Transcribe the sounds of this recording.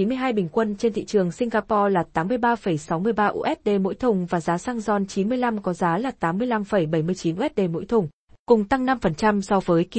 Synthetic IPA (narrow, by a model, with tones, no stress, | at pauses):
i˨˦nmɨ˧əjɦaː˧jɓï˨˩ŋ̟kwə˧nt͡ɕe˧nt̪ʰḭ˧˨t͡ɕɨ˨˩əŋsï˧ŋ̟ɣaː˧pɔ˧laː˨˩t̪aː˨˦mːɨ˧əjɓaː˧fə˧˩jsa˨˦wmɨ˧əjɓaː˧ʔṵ˧ʔɛ˦˥t̚ɗe˧mo̰˧˥jt̪ʰʊ˨˩ŋ͡mvaː˨˩zaː˨˦saː˧ŋzɔ˧˩nt͡ɕi˨˦nmɨ˧əjla˧mkɔ˨˦zaː˨˦laː˨˩t̪aː˨˦mːɨ˧əjla˧mfə˧˩jɓə˧˩jmɨ˧əjt͡ɕi˨˦nʔu˧ʔɛ˦˥t̚ɗe˧mo̰˧˥jt̪ʰʊ˨˩ŋ͡m | kʊ˨˩ŋ͡mt̪a˧ŋna˧mfə˨˩nt͡ɕa˧msɔ˧vəː˨˦jk